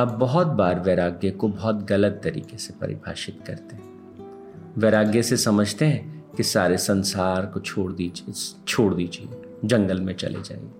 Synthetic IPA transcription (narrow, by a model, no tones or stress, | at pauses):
ɐbːɐɦɔt̪̚baːɾʋeːɾaːɡjekobɔɦɔt̪ɣɐlət̪ːɐɾḭːkesepɐ̰ɾɪ̰bʱa̰ːʃɪt̪kɐ̰ɾt̪eɦɛ̃ | ʋeːɾaːɡjesesɐməd͡ʒʱt̪eɦɛ̃kisaːɾesɐ̃nsaːɾkot͡ʃʰoːɽd̪id͡ʒt͡ʃʰoːɽd̪iːd͡ʒie | d͡ʒɐ̃ŋɡəlmẽt͡ʃɐ̰lʔḛd͡ʒa̰ːḛɡeː